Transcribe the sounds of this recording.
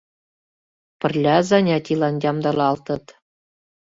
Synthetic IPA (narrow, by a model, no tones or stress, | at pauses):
pʲɘ̆rʲlʲæzɑnʲɑt̪ʲilˠɑndʲɑmd̪ɑlɑlˠt̪ɤ̆t̪